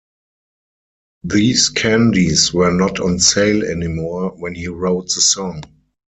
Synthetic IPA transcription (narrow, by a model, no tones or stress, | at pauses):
ðiːskʰæ̃ndiswɜ˞nɔtʰɔ̃nseɪlɛ̰nimɔɹwɛ̃nhiːɹoʊt̚ðəsɔ̃ŋ